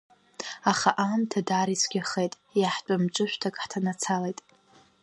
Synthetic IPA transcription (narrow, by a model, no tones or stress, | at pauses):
aχaʔamtʰadaːɾisʰɡʲaχejtʼ | jaħt͡pʷʼamt͡ʃʷʼɨʃᶣʷtʰakʼħtʰanat͡sʰalejtʼ